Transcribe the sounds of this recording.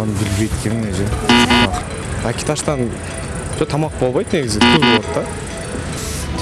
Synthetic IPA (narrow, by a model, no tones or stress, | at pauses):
ɑnəbɪlbejt̪kʲʰenɪneʒemɑq | ækʲe̥t̪ʰɑʃt̪ɑn | ʒ̥ot̪ʰɑmɑq̚bo̞lˠbɑjd̪ne̞ɡʲɪzɪt̪ʲʰʏzbolˠt̪ːɑ